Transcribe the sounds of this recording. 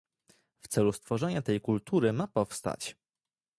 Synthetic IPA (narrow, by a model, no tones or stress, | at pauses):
ft̪sɛlust̪fɔʐɛɲat̪ɛjkult̪uɾɘmapɔfst̪a̰t͡ɕ